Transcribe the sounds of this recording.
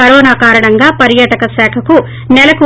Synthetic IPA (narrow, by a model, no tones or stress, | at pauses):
ɐɾoːnaːkaːɾɐɳɐŋɡaːpɐɾjaːʈɐkɐsaːkʰɐku | nɛlɐku